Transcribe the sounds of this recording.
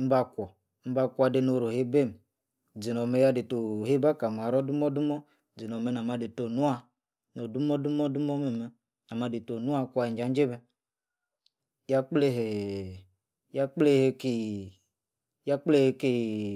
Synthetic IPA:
m̩˦ba˧kʷɔ˨˦ | m̩˦ba˧kʷa˧de˧no˨ɾo˨he˦be˦˨m˨ | d͡zi˨nɔ˨me˨˦ja˦de˨to˨ɦe˦ba˦ka˨m˨a˨ɾɔ˦du˦mɔ˦du˦mɔ˦ | d͡zi˨nɔ˨me˧˦na˨ma˧de˨to˨nu˦a˦ | no˨du˦mɔ˦du˦mɔ˦du˦mɔ˦me˨mɛ˦ | na˨ma˧de˨to˨nu˦a˦kʷa˨i˨nd͡ʒa˨˦n˦d͡ʒe˦bɛ˦ | ja˦k͡ple˦ɦe˨ | ja˦k͡ple˦he˦ke˨ | ja˦k͡ple˦he˨˦ke˦

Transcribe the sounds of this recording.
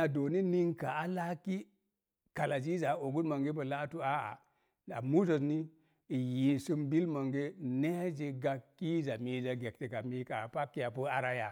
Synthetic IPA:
a˨do˨ni˦ni˦ŋka˨a˦la˦ki˦ | ka˨la˨d͡ʒi˦za˨o˨ɡu˦tma˨ŋɡe˦bə˨la˦tu˦a˦a̰˨ | a˨mu˦so˨sni˦ | i˨ji˨nsu˦mbi˦lma˨ŋɡe˦ne˦d͡ʒi˨ɡa˨kːi˦za˨mi˨za˨ɡe˨k̚te˨ka˨mi˦ka˨pa˦kːi˦ja˨pu˦a˨ɾa˦ja˨

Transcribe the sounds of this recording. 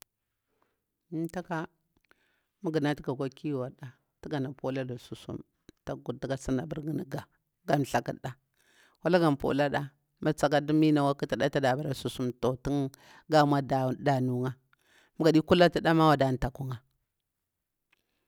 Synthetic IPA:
nta˦ka˦ | mu˦ɡə˨na˦ti˦ka˨ɡʷa˦ki˦˨wa˨ɗa˨ | ti˦ɡa˨na˨po˦la˦da˨su˨sṵ˦m | ta˨ɡu˨ti˦ka˦si˦na˨bə˦ɾɡi˨ni˨ɡa˨ | ɡa˨mɬa˨ki˨da˨ | wa˦la˦ɡa˨m˨po̰˨la˦ɗa˦ | ma˦˨t͡sa˨ka˦du˦mi˦na˨wa˦ki˦ti˨da˦ta˦da˨ba˨ɾa˨su˨su˦mto˨ti˦ŋ | ɡa˦ma˦dda˨nu˨ŋa˦ | mu˦ɡa˨di˦ku˦la˦ti˦da˦ma˦wa˨da˨n˨ta˨ku˦ŋa˨

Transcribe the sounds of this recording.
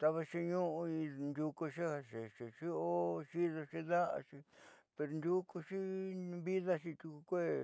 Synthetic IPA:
t̪a˧βa˧ʃi˧ɲũ˦ʔũ˧ĩ˧nd̪ʲu˧ko˧ʂi˦a˧ʂe˨ʃe˨ʂi˦o˦ʃi˦ðo˧ʃi˦ða˦ʔa̰˧ʂi˧pe˧ɾo˧nd̪ʲu˦ko˧ʂi˦βi˦ða˦ʃi˧t̪u˧ku˧kʷe˦

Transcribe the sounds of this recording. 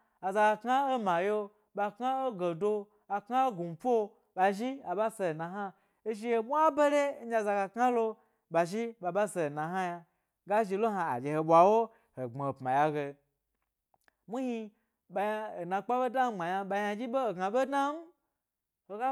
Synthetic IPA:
a˨za˧ɡa˧ka˦o˦ma˨jo˧ | ɓa˧kŋa˦o˦ɡo˨do˧ | a˨kŋa˦o˦ɡu˨po˦o˦ | ba˧ʒi˦a˨ba˦se˧˨na˨ɦa˦ | e˦ʃi˦je˧mʷ˦a˦be˦ɾe˦n̩˦d͡ʒa˧˨za˧ɡa˧kŋa˦lo˧ | ba˨ʒi˦ɓa˧ba˦se˧˨nã˨ɦa˦ja˧ | ɡa˦ʒi˧lo˦ɦa˧a̰˨d͡ʒe˨he˧ɓʷa˨wo˦ | ho˨ɡ͡be˨pmã̰˨ja˧ɡe˧ | mu˦hi˧ | ɓa˧ja˧o˨nã˧k͡pa˦be˦da˦m˦ɡ͡ba˨ja˧ɓa˧ja˧d͡ʒi˦bo˦o˨ɡa˨be˦dna˦m̩˦ | ho˨ɡa˦

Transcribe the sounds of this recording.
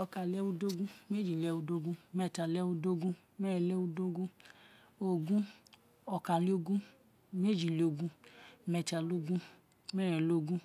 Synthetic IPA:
ɔ˧ka˨lɛ˦wu˦do˦ɡũ˦m˦e˦d͡ʒi˨lɛ˧wu˦do˦ɡũ˦mɛ˧˨ta˨lɛ˦wu˦do˦ɡũ˦mɛ˦ɾɛ˨lɛ˦wu˦do˦ɡũ˦ | o˨ɡũ˦ | ɔ˧ka˨li˦o˦ɡũ˦ | m˦e˦d͡ʒi˨li˨o˧˨ɡũ˦mɛ˧˨ta˨lo˦ɡũ˦ | mɛ˦ɾɛ˨lo˦˨ɡũ˦

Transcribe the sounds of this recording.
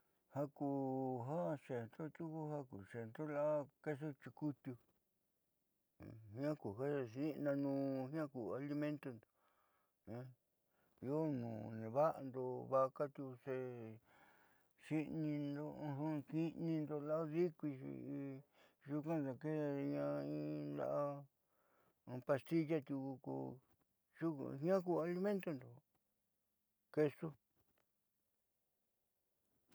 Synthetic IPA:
ha˦ku˧˨ɦa˦ʃe˨nt̪o˦t̪u˦ku˦ha˦ku˨ʂe˨nd̪o˦la˦ke˦so˦t͡ʃi˧ku˦t̪u˧˨ | hĩ˧˦ã˦ku˨ɦa˦˧sĩ˦˧nã˧nũː˧hĩ˦ã˦ku˨a˧li˧mẽ˦nt̪o˧nd̪o̥˨ | ẽ˧˦ | i˧o˦nũː˨nẽ˨βa˦ʔa˧nd̪o˧βa˦˧ka˦t̪u˧se˧ | ʃi˦nĩ˧nd̪o˧ɦũ˧ki˦nĩ˧nd̪o˧la˦o˦ði˦kʷi˧ʃḭ˧ʒu˧kã˦da˧ke˦˧ɲã˧ĩ˦˧nd̪a̰˧ʔa˧ | pa˧st̪i˦ʒa˦˧t̪u˧ku˧kṵ˧ | ʒṵ˦˧ɦɲã˦ku˧a˧li˧mẽ˦nt̪o˦˧nd̪o˨ | ke˧su˦

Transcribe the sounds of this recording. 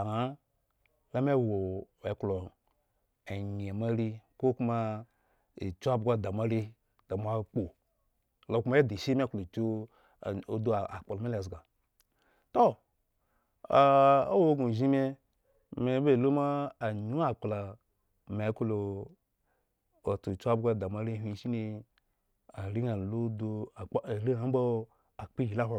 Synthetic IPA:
a˨a˨˦ | la˦me˦wo˨e˨˦klo˨ | e˨ɲ˨e˨ma˦ɾi˦ko˦ku˦ma˦ | ḭ˨t͡ʃu˦a˦bɡʷa˦da˨mʷa˦ɾe˦ | d̥a˨mʷ˨a˦k͡po˨ | lo˨ku˦ma˦e˦de˨ʃi˦me˦klo˨t͡ʃo˦˨ | o˨do˦˨a˨k͡po˨lo˨me˦le˨zɡa˨ | to˦ | a˨o˦wo˦ɡu˨ʒi˦me˦ | me˨˦be˦˨lo˦maː˦˨ɲu˦a˨k͡pla˨ | me˨˦ko˦lo˨ | o˨tu˨t͡ʃu˦a˦bɡʷa˧da˨ma˨˦ɾe˦ɦʷi˧˦ʃi˦ne˧ | a˨ɾi˦a˨lo˦do˧˨˦ɾi˦a˨m˦bo˦ | a˨k͡pi˦ji˨la˦ɦʷa˦˨

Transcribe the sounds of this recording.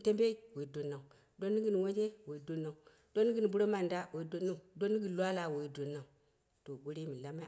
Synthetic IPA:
te˦mbe˦i˦we˨i˨do˨nːa˨u˨ | do˦nːi˦ɡi˦n˨wo˦d͡ʒe˦we˨i˨do˨nːa˨u˨ | d̥o˦ni˦ɡi˦n˨bu˦ɾo˦ma˨nda˦we˨i˦do˦nːa˦u˨do˦ni˦ɡi˨lʷa˦la˨wo˨i˨˦do˨na˨u˨ | to˨ɡu˦ɾi˦mi˨la˦ma˦

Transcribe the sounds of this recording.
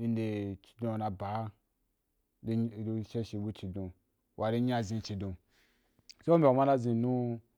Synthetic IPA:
i˧˦nde˨t͡ʃi̥˨dõ˧˨na˧ba˨˦˨ | ʃe˦ʃi˧bu˦t͡ʃi˨dõ˨ | wʔa˨ɾi˦ɲ˦a˦˧zĩ˧t͡ʃi˨dõ˧ | se˦o˦mʲe˨wa˨ma˦la˦zi˧nũ˦

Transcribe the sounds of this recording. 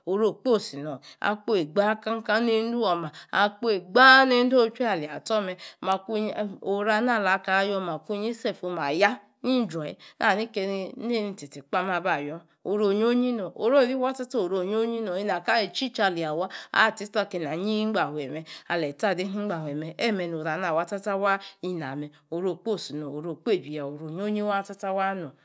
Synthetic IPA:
o˨ɾo˦˨k͡po˦˨si˨nɔ˨a̰˨˦k͡po˦e˨ɡ͡ba˦ka˦ŋ˦ka˦ne˦n̩˦du˦ɔ˨ma˨a˨k͡po˦e˨ɡ͡ba˦ne˦n̩˦do˦˨˦t͡ʃe˦a˨li˨a˨tɔ˦mɛ˧ma˨ku˦˨o˨˦ɾa˧na˦˨la˨˦ka˨˦jɔ˧˦ma˨ku˦ɲi˦se˦˨fo˧ma˨ja˦ | ni˦n˦d͡ʒɔ˨ḭ˦nʔa̰˦˨ni˦ke˧ni˧ne˦ni˧ti˨ti˨k͡pa˦m˦a˧˨ba˨jɔ˦ | o˨ɾo˦˨ɲ˦o˦ɲi˦no˨o˨ɾo˦˨ɾi˦wa˦ta˦to˦o˨ɾo˦˨ɲ˦o˦ɲi˦no˨i˦na˨ka˦e˨t͡ʃi˦t͡ʃa˨li˨a˨wa˦a̰˦˨ti˦sta˦˨ke˨na˨ɲi˦ŋ͡m̩˦ɡ͡ba˨he˨me˨a̰˨le˨ta˦˨de˦ni˦ŋ͡m̩˦ɡ͡ba˨ɦʷwe˨me˨ʔe˦me˨no˨ɾa˨n˦a˨wa˦ta˦ta˦wa˦i˦na˨me˨ | o˨ɾo˦˨k͡po˦˨si˨no˨o˨ɾo˨k͡pe˦˨bi˨ja˨o˨ɾo˨ɲ˦o˦ɲi˦wa˦ta˦ta˦wa˦no˨

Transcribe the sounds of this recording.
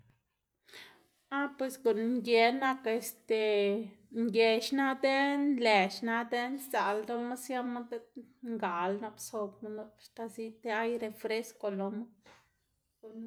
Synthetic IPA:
a˦pwe˨sɡu˨n˧ŋɡe˧na˧ka˧e˧st̪e˨ | ŋɡe˨ʃna˦d̪e˦nnle˨ʃna˧d̪e˦nza˨ld̪o˧ma˦sja˦ma˦d̪e˦ŋɡa˨lna˧bso˧bma˧˦na˧bʃt̪a˧si˦t̪e˦a˦jɾe˧fɾe˦sko˧lo˧ma˦ | ɡu˨n

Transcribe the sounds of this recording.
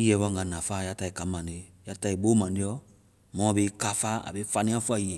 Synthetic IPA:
i˦jɛ˨˦bɔ˧˦ŋ˨ɡa˨nã˨fa˦˨ja˦ta˧˨i˨ka˨˦mã˨ne˨˦ja˦ta˧˨i˨bo˦mã˨ndi˨˦ɔ˦ | mɔ̃˦˨be˧˦ka˨˦fa˦a̰˨be˦fa˧nĩ˦ã˦fu˦a˨i˦ɛ˨

